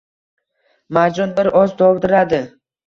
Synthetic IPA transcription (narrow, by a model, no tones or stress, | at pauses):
maɾd͡ʒɒnbɪɾɒzd̪ʰɒwd̪ɪɾad̪ɪ